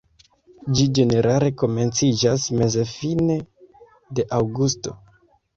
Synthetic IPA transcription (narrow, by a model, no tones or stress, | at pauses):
d͡ʒid͡ʒe̞ne̞ɾale̞ko̞me̞nt͡sid͡ʒasme̞zefine̞ | de̞ʔawɡusto̞